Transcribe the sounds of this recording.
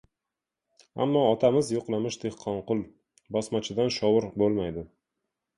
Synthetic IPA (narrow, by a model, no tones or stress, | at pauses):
a̰mːɒɒt̪ʰamɪzjoqlˠamɪʃd̪e̞hqʰɒnqʊlˠ | bɒsmat͡ʃʰɪd̪anʃɒwʊɾbolˠmajd̪ɪ